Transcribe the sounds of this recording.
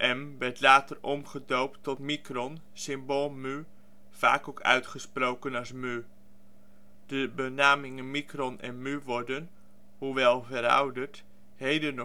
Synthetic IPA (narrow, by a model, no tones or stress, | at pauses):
ʔɛmʋɛrtlaːtərɔmχədowp̚tɔtmikrɔn | sɪmboːlˠmy | v̥a̰ːkokœ̰ɥtχəsprowkənɑsmy | d̥əbənaːmɪŋənmikrɔnɛ̰nmyʋɔrdən | huʋɛlˠvəɾɑ̰wdərt | hejdənɔ